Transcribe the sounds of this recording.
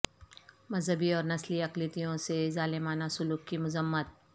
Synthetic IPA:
mɐzɦəbiɔːɾnɐsliɐqlit̪ijõsezaːlɪmaːnasʊluːkkimʊzəmːət̪̚

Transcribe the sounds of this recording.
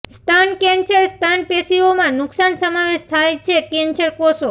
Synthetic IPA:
st̪ʰankɛ̃nsəɾst̪ʰanpesiomãnʊksansəmaʋeʃt̪ʰajt͡ʃʰekɛ̃nt͡ʃəɾposo

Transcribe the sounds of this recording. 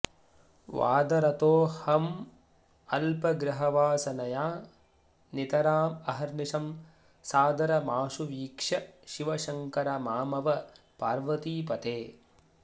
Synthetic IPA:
ʋa̰ːd̪ɐɾɐt̪oːhɐm | ɐlpɐɡɾɐɦɐʋaːsɐnɐjaː | nit̪ɐɾaːmɐɦɐɾniʃɐm | saːd̪ɐɾɐmaːʃuʋiːkʂɐʃiʋɐʃɐŋkɐɾɐmaːmɐʋɐ | paːɾʋɐt̪iːpɐt̪eː

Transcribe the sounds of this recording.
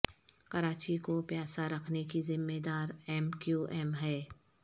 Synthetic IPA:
kɐɾaːt͡ʃikopjaːsaɾɐkʰnekizɪmːeːd̪aːɾɛːmkjuːʔɛːmɦɛː

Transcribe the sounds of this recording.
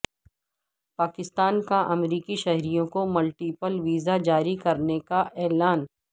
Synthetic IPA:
paːkɪst̪aːnkaʔɐmɾiːkiʃɛɦɾijõkomʊlʈiːpəlʋiːzad͡ʒaːɾikɐɾnekaʔɛːlaːn

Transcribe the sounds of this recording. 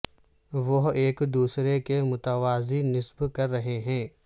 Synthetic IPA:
ʋoɦeːkd̪uːsɾekemʊt̪əʋaːzinɪsbkɐɾːɐɦeɦɛ̃ː

